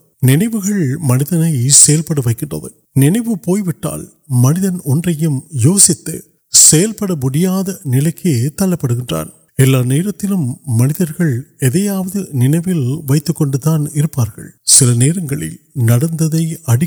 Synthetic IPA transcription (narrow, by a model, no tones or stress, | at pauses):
nɪnɐɪʋɯɣɐɭmɐnɪðɐnɐɪsɛjɐlpɐɽɐʋɐɪkːɪɳdrɐ̰ðɯ̰ | nɪnɐɪʋɯpoːjʋɪʈːa̰ːl | mɐnɪðɐnɔndrɐjɯmjoːsɪt̪ːɯ̰ | sɛjɐlpɐɽɐmʊɽɪjaːðɐnɪlɐɪkːet̪ɐlːɐpːɐɽɯɣɪndra̰ːn | ɛlːaːneːɾɐt̪ːɪlɯmːɐnɪðɐɾɣɐɭɛðɐjaːʋɐðɯnɪnɐɪʋɪlʋɐɪt̪ːɯkːɔɳɖɯt̪ːaːnɪɾɯpːaːɾɣɐ̰ɭsɪlɐneːɾɐŋɡɐɭɪ̰lnɐɽɐnd̪ɐðɐɪɐɽɪ